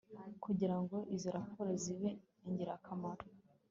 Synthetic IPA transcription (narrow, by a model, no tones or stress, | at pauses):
kuɟiɾaŋɡo̞ʔiziɾakoɾeziβe | iɲɟiɾakʰamaɾo